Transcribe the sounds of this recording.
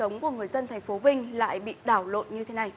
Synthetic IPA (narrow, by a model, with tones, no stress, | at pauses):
ə˨˦wŋ͡mku˧˩əŋɨ˨˩əjzə˧nt̪ʰa˨˩ŋ̟fo˨˦vï˧ŋ̟la̰ː˧˨jɓḭ˧˨ɗaː˧˩wlo̰˧˨nɲɨ˧t̪ʰe˨˦na˨˩j